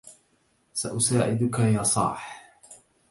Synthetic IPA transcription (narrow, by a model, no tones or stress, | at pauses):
saʔʊsaːʕɪd̪ʊkajɑːsˤɑ̰ːħ